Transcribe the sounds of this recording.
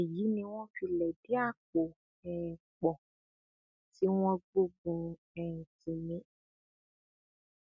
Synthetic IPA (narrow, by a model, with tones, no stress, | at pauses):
ɛ˨ji˨˦nĩ˧w̃ɔ̃˦fi˧lɛ˨di˦a˦˨k͡po˨ | ɛ˨k͡pɔ˨ | ti˨˦w̃ɔ̃˦ɡ͡bo˦ɡũ˧ | ɛ˨n̩˨tĩ˨mĩ˨˦